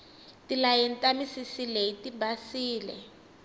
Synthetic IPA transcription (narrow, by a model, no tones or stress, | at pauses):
tilajɛntʼamisisileitibasiːlɛ̰